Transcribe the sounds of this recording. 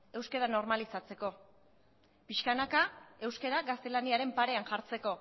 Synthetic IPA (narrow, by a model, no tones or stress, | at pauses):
e̞wskeɾano̞ɾmalisat͡se̞ko̞ | piʃkanakae̞wskeɾaɡast̪e̞laniaɾe̞mpaɾe̞anʝaɾt͡se̞ko̞